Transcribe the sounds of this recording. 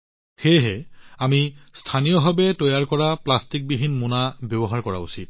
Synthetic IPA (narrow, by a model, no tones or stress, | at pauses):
xejɦɛamistʰanijɔɦabɛtɔjaɹkɔɹaplastik̚biɦinmunabjɔbɔɦaɹkɔɹa̰usit̚